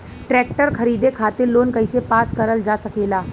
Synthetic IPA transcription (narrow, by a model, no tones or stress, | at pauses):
ʈɾɛːk̚ʈəɾkʰɐɾiːd̪ekʰaːt̪ɪɾloːnkɐisepaːskɐɾəld͡ʒaːsɐkeːlaː